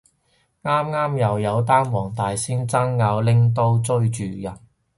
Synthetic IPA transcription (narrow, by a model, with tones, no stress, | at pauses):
ŋaː˥mŋaː˥mjɐ˨wjɐ˨˧wt̪aː˥nwɔː˨˩ŋt̪aː˨jsiː˥ŋt͡sɐ˥ŋːaː˨˧wlɪ˥ŋt̪̬o˥wt͡sɵ˥ɥt͡ʃyː˨jɐ˨˩n